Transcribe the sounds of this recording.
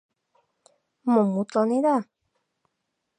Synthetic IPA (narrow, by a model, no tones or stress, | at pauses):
mõmũt͡ɬɔnẽða